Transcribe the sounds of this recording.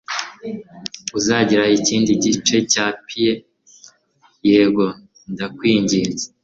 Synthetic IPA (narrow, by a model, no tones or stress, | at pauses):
uzaɟiɾaiciːndiɟit͡ʃe̞caːpʰije | jeɡo̞ | ndakwiːɲɟiːnze